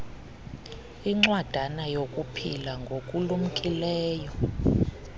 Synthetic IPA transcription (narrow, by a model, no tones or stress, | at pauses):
iŋ͡ǀwad̥ʱanajokʼupʰilaŋɡʱokʼulum̩kʼilɛːjɔ